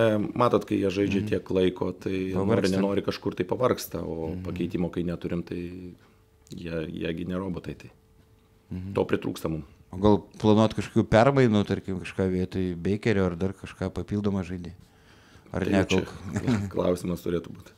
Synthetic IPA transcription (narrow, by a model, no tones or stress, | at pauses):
mɑːt̪oːt̪kɐɪjiɛʒɐɪd͡ʒʲɛt̪ʲiɛklˠɐɪkoːt̪ɐɪpɐʋɐrɐrnʲɛnoːɾʲɪkɐʃkʊrt̪ɐɪpɐʋɐrkst̪ɐoːpɐkʲɛɪt̪ʲiːmoːkɐɪnʲɛt̪ʊɾʲɪmt̪ɐɪ | jiɛjḭɛɡʲɪnʲɛɾoːboːt̪ɐɪt̪ɐɪ | t̪oːpʲɾʲɪt̪ɾṵːkst̪ɐmʊm | oːɡɐlˠplˠɐnuɔt̪kɐʃko̥ːkʲuːpʲɛrmɐɪnuːt̪ɐɾʲkʲɪmkɐʃkɑːʋʲeːt̪oːjbʲɛɪkʲɛɾʲʊːɐrd̪ɐrkɐʃkɑːpɐpʲiːlˠd̪oːmɐʒɐɪd̪ʲɪ | ɐ̰rnʲɛko̰ːkklˠɐ̰ʊsʲɪmɐst̪ʊɾʲeːt̪ʊbuːt̪